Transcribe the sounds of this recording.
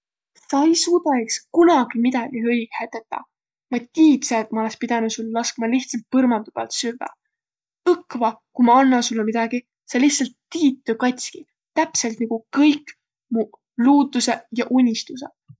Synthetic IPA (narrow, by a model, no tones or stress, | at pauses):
sɑejsuːd̪̥ɑekskunɑɡ̥imid̪̥ɑɡ̥ihɤjɡ̥hæt̪ːet̪ːˑɑ̰ | mɑt̪ʲiːt̪seet̪mɑo̞lekspid̪ɑnusulːlɑskmɑliht̪sɑlt̪̚pɤrmɑnd̪ub̥ɑ̰lt̪syvːɑ̰ | ɤkːvɑkumɑɑnːɑsulːemid̪̥ɑɡ̥i | sɑliht̪sɑlt̪ːiːt̪ːøkɑt̪ʲski | t̪æpse̞lt̪nɑɡ̥ukɤjkːˑ | mu | luːd̪use̞jɑʔunʲːist̪usḛ